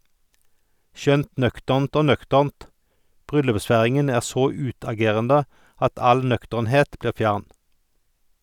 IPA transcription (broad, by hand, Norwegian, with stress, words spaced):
ˈʃœnt ˈnœktəʁnt ˈoː ˈnœktəʁnt ˈbʁʏlʉpˌsfæʁɪŋən ˈæːʁ ˈsoː ˈʉːtɑˌɡeːʁəndə ˈɑt ˈɑl ˈnœktəʁnˌheːt ˈbliːʁ ˈfjæʁn